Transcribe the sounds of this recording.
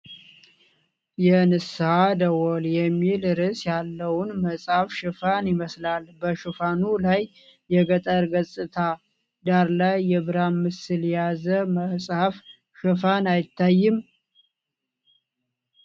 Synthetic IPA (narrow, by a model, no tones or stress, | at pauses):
jɛnɨshad̪əwoljɛmːilɾɨsjalːəwʊnməsʼhafʃɨfanɪməslalbəʃɨfanulajː | ɛɡət̪ʼəɾɡəsʼɨt̪ʰa | d̪aɾlajːɛβɨɾamːɨsɨljɛjazəməsʼhaf | ʃɨfanajɪt̪ʰːajːɪm